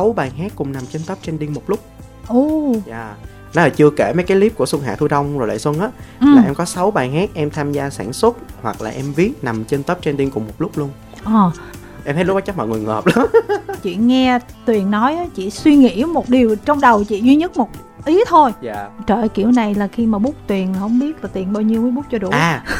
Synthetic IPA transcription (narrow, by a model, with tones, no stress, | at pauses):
sa˨˦wɓaː˨˩jɦaː˦˥kːʊ˨˩ŋ͡mna˨˩mt͡ɕe˧nt̪ə˦˥p̚t͡ɕe˧nɗi˧əŋmo˨˩t̚lʊ˦˥k͡p̚ | ʔu˨˧˩za̰ː˨˩ | nɔ˨˦laː˨˩t͡ɕɨ˧əke˧˩mə˨˦jkaː˨˦li˦˥p̚ku˧˩əswə˧ŋɦa̰ː˨t̪ʰu˧jɗə˧wŋ͡mzo˨˩jla̰ː˨jswə˧nʔaː˨˦ʔaː˩˨˩ʔɛ˧mkɔ˨˦sa˨˦wɓaː˨˩jɦaː˦˥k̚ʔɛ˧mt̪ʰaː˧mzaː˧saː˧˩nswə˦˥t̚hwa˨˩k̚laː˨˩ʔɛ˧mvi˦˥ət̚na˨˩mt͡ɕe˧nt̪ə˦˥p̚t͡ɕnɗi˧ŋkʊ˨˩ŋ͡mmo˨˩t̚lʊ˦˥k͡p̚lu˧ən | ʔɔː˨˩ | ʔɛ˧mhʰə˦jlk͡p̚ɔ˨˦t͡ɕa˦˥maː˨˩ŋu˨˩əŋhəː˨˩p̚la˧t͡ɕḭ˧˨ŋɛ˧t̪wi˨˩ənːɔ˨˦jʔaː˨˦t͡ɕḭ˧˨swi˧ŋḭ˧˥mo˨˩t̚ɗi˨˩əwt͡ɕɔ˧wŋ͡mɗə˨˩wt͡ɕḭ˧˨zwi˧ɲə˦˥t̚mo˨˩t̚ | ʔi˨˦t̪ʰo˧jt͡ɕəː˧˩jkḭ˧˩əwna˨˩jlaː˨˩xi˧maː˨˩ɓu˦˥k͡p̚t̪wi˨˩ənlaː˨˩hə˧wŋ͡mɓi˦˥ət̚laː˨˩t̪i˨˩ənɓaː˧wɲi˧əwməː˨˦jɓʊ˦˥k͡p̚t͡ɕɔ˧ɗṵ˨˧˩ʔaː˨˩